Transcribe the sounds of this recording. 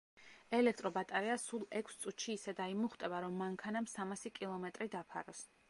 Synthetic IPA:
ɛlɛk̚ʰt̪ʼɾɔbat̪ʼɛɾɛasulˠɛkʰst̪sʼut̪ʃiːsɛd̪aimuχt̪ʼɛbaɾɔmːaŋkʰanamsamasikʼilˠɔmɛt̪ʼɾid̪apʰa̰ɾɔs

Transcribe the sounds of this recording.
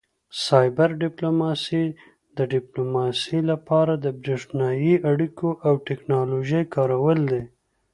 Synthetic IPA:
sɑjbaɾɖɪplomɑsi | d̪əɖɪplomɑsilapɑɾad̪əbɾeʂnɑjiaɽikoʔawʈɪknɑloʒəjkɑɾawəld̪e

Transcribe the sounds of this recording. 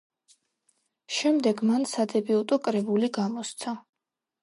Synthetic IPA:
ʃɛmd̪ɛɡmansad̪ɛbiut̪ʼɔkʼɾɛbuliɡamɔst̪sʰa

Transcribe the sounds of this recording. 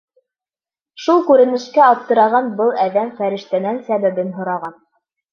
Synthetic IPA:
ʃulˠkʉɾɘ̆nɘ̆ʃkæɑp̚t̪ːɤ̆ɾɑʁɑnbɤlˠæðæmfæɾɘ̆ʃt̪ænænsæβæbɘnɦŏɾɑʁɑn

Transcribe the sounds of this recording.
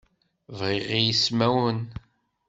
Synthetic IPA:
vʁiʁijismæwən

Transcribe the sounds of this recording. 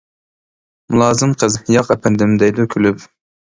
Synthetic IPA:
mulˠɑːzɨmqʰəzjɑqɛpʰɛnd̪ɪmd̪ɛjd̪ʊkʲʰylyp

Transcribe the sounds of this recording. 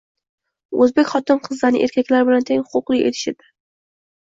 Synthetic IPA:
ɵzbekʲχɒt̪ɪmqʰɨzːanɪ̰ʔeɾkʲakʲlaɾbɪlant̪ʰeŋhʊ̥qʊqlˠɪkʲet̪ʰɪ̥ʃɪd̪ɪ

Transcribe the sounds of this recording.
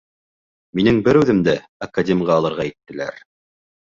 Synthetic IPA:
minɘŋbɘɾʉðɘ̆md̪æ | ɐkadʲemʲʁɑːlˠɤ̆ɾʁɑit̪ːɘ̆læ̰ɾ

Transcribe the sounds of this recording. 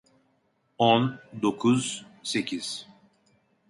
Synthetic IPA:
ond̪okʰuzsecʰiz̥

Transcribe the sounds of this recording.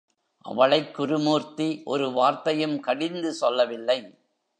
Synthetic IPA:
ʔɐ̰ʋɐɭɐɪkːʊɾɯmuːɾt̪iʔɔɾɯʋaːɾt̪ɐjɯmkɐɽɪnd̪ɯsɔlːɐʋɪlːɐɪ

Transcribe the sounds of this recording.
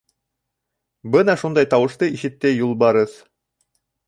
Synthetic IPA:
bɤnɑʃund̪ɑjt̪ɑwɤ̆ʃt̪ɤiʃɘ̆t̪ːɘjulˠbɑɾɤθ

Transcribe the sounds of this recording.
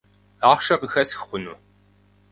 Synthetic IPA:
aːχʷʃɐqəxɐsxχʷʊnṵː

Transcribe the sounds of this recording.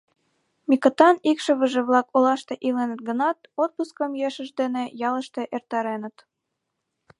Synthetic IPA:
mikət̪ɑnikʃə̆βəʒĕβlɑkolɑʃt̪eʔilenət̪̚ɡənɑt̪̚ot̪̚puskəmjøʃə̆ʒd̪enejɑləʃt̪eʔert̪ɑɾenə̆t̪

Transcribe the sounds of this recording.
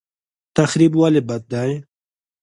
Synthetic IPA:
t̪axɾibwalibat̪̚d̪aj

